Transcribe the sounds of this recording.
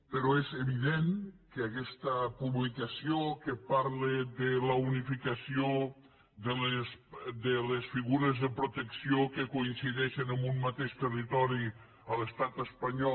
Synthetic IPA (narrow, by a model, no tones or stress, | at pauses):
peɾɔezeβiðenkeakɛst̪əpuβlikasiokepaɾleðələunifikəsio | ðəlesd̪elesfiɣuɾezðəpɾut̪əksiokəkoinsiðɛʃenəmbumːat̪eʃt̪ərit̪ɔɾi | ələst̪at̪əspaɲɔ